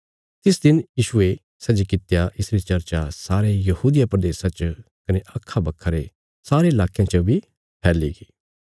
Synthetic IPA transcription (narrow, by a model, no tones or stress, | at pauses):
t̪ɪsd̪ɪnjiːʃʊe | sɐd͡ʒikɪt̪jaʔɪsɾit͡ʃɐɾt͡ʃasaːɾejɐhuːd̪ɪjapɾɐd̪eːsat͡ʃə | kɐneʔɐkʰːabɐkʰːəɾe | saːɾeɪlaːkjãt͡ʃəbʱi | pʰɛːliɡiː